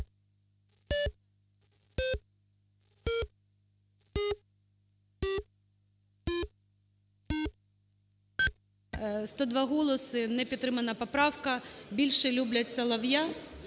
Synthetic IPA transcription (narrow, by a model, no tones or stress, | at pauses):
st̪ɔd̪ʋɑɦɔlˠɔsɪnɛpʲid̪t̪ːɾɪmɐnɐpɔpɾɑwkɐbʲilʲʃɛlʲublʲɐtʲsʲɐlˠɐwja